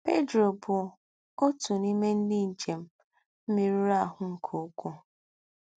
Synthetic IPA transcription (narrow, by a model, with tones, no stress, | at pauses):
pe˦dɾo˨bʊ˨ | o˦tu˨ni˦me˦n̩˦dɪ˦n̩˨t͡ʃe˨m̩˦ | m̩˦mi˦ɾi˦ɾa˦˨ɦʊ˨ŋ̩˨kʰo˨˦kʷu˦